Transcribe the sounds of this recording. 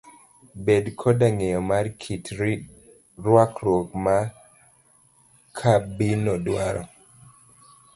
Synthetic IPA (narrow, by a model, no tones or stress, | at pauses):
bedkʰɔdaŋejɔmarkʰitɾi | ɾwakɾokma | kʰabinɔdwaɾɔ̰